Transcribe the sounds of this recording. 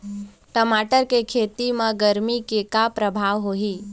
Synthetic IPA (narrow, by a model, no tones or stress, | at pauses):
ʈəmaʈəɾkekʰeːt̪imə̃ɡəɾmikekapɾəbʱaːʋɦoɦiː